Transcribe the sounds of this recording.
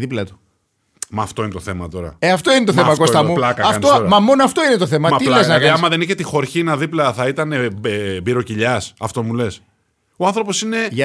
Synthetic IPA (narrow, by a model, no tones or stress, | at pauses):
ðiplɐt̪u̥ | mɐːft̪o̞inet̪oθe̞mɐt̪o̞ɾɐ̰eɐft̪o̞inet̪oθemɐkost̪ɐuplɐkɐkɐɐfnt̪sooɾɐmɐmonoɐft̪o̞inet̪oθe̞mɐtmɐilezznɐkiɐmɐðe̞niçet̪ixo̞ɾçinɐðiplɐθɐit̪ɐne̞ebiɾo̞ciʎɐsɐft̪o̞mule̞s | o̞ɐnθɾo̞po̞sine̞